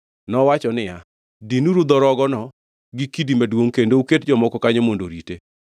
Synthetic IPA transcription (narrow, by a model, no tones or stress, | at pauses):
nɔwat͡ʃɔnɪja | dinuɾud̪ɔɾɔɡɔnɔ | ɡikidimɛdwoŋkendouketd͡ʒɔmɔkɔkaɲemondoɾite